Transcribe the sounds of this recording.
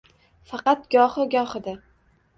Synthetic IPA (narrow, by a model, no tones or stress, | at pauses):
fɑqɑt̪̚ɡʲɒhɨɡʲɒχɨd̪a